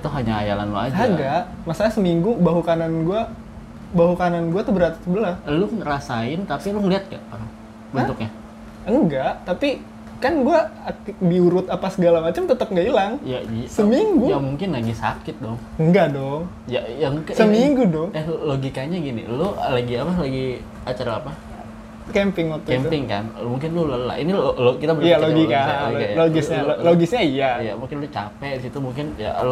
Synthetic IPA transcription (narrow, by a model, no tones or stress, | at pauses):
t̪ʊɦaɲaa̰ja̰la̰nlo̰a̰d͡ʒaɡaʔmasaɲasəmiŋɡubaɦukananɡua | baɦukananɡuat̪ʊhbəɾat̪i̥səbəlaslʊrasaɪnt̪apilʊməliɦat̪̚ɡa̰ʔlʊ | bənt̪ʊk̚ɲa | əŋɡaʔt̪api | kanɡuabiuɾʊt̪apasəɡalamat͡ʃamt̪ət̪əp̚ŋɡailaŋja̰isəmiŋɡuamuŋkɪnlaɡisa̰kɪt̪̚dɔŋ | əŋɡaʔdɔŋ | jajaŋkssəmiŋɡudɔŋɛhloɡikaɲaɡinḭlolaɡiapalaɡi | at͡ʃaɾaːpa | kɛmpɪŋat̪uɛmpɪŋka̰nmuŋk̬ɪnlʊloləla̰ʔiniolokit̪abəjaloɡikkaaaloɡɪsɲaoloɡɪsɲaijaija̰muŋkɪnlʊt͡ʃa̰pɛdisit̪umuŋkɪnja̰lo